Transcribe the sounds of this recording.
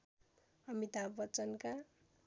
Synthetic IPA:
ʌmit̪abʌt͡sʌnka

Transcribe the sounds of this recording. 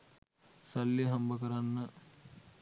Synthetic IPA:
sɐlːiɦɐmbɐkɐɾɐnːɐ

